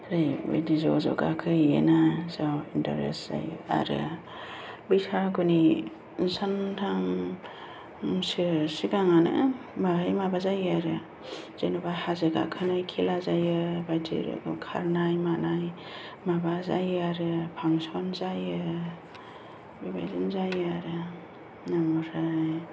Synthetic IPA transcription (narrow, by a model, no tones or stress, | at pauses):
ɾɯjbḛdizɔzɔ̰ɡa̰kʰɯjɯ̰nazawintɔɾḛsz̥a̰jɯa̰ɾɯ̰ | bɯjsʰaɡuni | santʰam | sɯsiɡaŋanɯ̰ | baɦɯjmabazajaɾɯ | z̥enubahazeɡa̰kʰɯnajkʰilazajɯbajdḭɾɯ̰kʰa̰ɾnajmanaj | mabazajaɾɯpʰaŋsɔnzajɯ | biba̰jzinzajɯaɾɯ | namɔɾaj